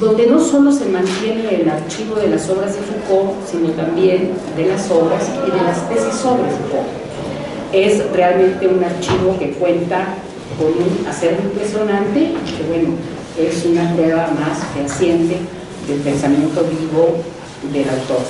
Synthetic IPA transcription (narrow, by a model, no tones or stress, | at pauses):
d̪o̞nd̪e̞no̞so̞lo̞se̞mãnt̪je̞neːlaɾt͡ʃiβo̞ðe̞laso̞βɾazðesukosino̞t̪ambje̞n | d̪e̞laso̞βɾasiðe̞lastesaso̞βɾasuko̰ | e̞sre̞almẽ̞nt̪e̞unaɾt͡ʃiβo̞ke̞kwe̞nt̪a | ko̞nũnaseɾβoimpɾesjo̞nãnt̪e̞keβwe̞no | esunapɾwe̞βamasfeasje̞nt̪e̞ | d̪e̞lpe̞nsamjẽ̞nt̪o̞βiβo̞ | ðe̞lawt̪o̞ɾ